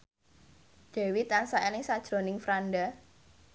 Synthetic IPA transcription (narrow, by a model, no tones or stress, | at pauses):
d̪̥e̤wit̪ansaʔelɪŋsad̥ʒ̥ɾo̤nɪŋfɾanɖa